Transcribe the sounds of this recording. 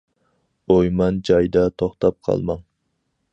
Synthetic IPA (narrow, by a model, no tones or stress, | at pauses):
ojmɑnd͡ʒɑjd̪ɑt̪ʰoχt̪ɑp̚qʰɑ̰lˠmɑŋ